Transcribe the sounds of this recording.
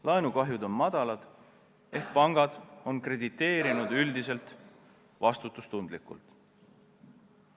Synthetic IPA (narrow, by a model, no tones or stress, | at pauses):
lɑenukɑɦjud̪o̞nmɑd̪̥ɑlɑd̪̥ | e̞ht̪̚pɑŋɡ̥ɑd̪̥o̞nkre̞d̪it̪ːe̞ːɾinud̪̥yld̪ise̞lt̪ | vɑst̪ut̪ˑːust̪und̪likṵlt̪ˑ